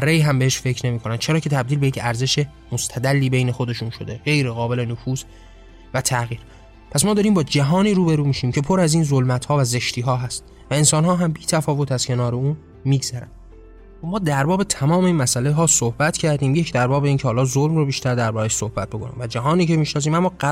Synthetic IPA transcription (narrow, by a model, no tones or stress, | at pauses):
ɒrːeiɦæmbeeʃfe̞cʰɾne̞miːkʰo̞næn̥t͡ʃʰe̞ɾɒːcʰe̞t̪ʰæbd̪iːlbejecʰæɾze̞ʃe | most̪ʰæd̪ælːiːbe̞jne̞xo̞d̪e̞ʃuːnʃo̞̰d̪e̞ɣe̞jɾeɣɒːbe̞le̞nofuːz | væt̪ʰæɣiːɾ | pʰæsmɒːd̪ɒːɾiːmbɒːd͡ʒæɦɒːniːɾuːbe̞ɾuːmiːʃiːmcʰe̞pʰo̞ɾæziːnzolmæt̪hɒːvæze̞ʃt̪ʰiːɦɒːɦæst̪̚ | væe̞nsɒːnɦɒːɦæmbiːt̪ʰæfɒːvo̞t̪æz̥cʰe̞nɒːɾe̞uːn | miːɡz̥æɾæ̰nd̪ | mɒːd̪æɾbɒːbe̞t̪ʰæmɒːme̞iːnmæsæleɦɒːsohbæt̪cʰæɾd̪iːmjecʰd̪æɾbɒːbe̞iːncʰehɒːlɒːzolmrobiːʃt̪æɾd̪æɾbɒːɾæʃsohbæt̪̚bokʰonḭmvæd͡ʒæɦɒːniːcʰe̞miːʃnɒːs̬iːmæmːɒː